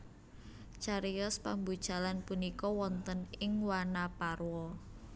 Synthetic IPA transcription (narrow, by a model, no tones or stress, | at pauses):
t͡ʃaɾiɔspambud̥ʒ̥a̤lanpunikɔwɔnt̪ənɪŋwanaparwɔ